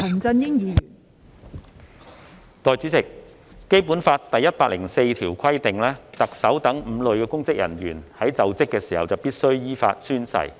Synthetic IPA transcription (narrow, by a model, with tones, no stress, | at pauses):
ɐ˨˩nt͡sɐ˧njɪ˥ŋjiː˨˧jyː˨˩n | t̪ɔː˨jt͡syː˨˥t͡sɪ˨k̚ː | e˥jpu˨˥nfaː˧tt̪ɐ˨jːɐ˥t̚paː˧k̚lɪ˨˩ŋse˧jt̪ʰiː˨˩wkʰɐ˥jt̪ɪ˨ŋlɛː˥t̪ɐ˨k̚sɐ˨˥wt̪ɐ˨˥ŋm̩˨˧lɵ˨˧ɥkɛː˧kʊ˥ŋt͡sɪ˥k̚jɐ̰˨˩njyː˨˩nhɐ˨˥jt͡sɐ˨wt͡sɪ˥kːɛː˧siː˨˩hɐ̰˨wt͡sɐ˨wpiː˥t̚sɵ˥ɥjiː˥fa̰ː˧t̚syː˥nsɐ̰˨˩j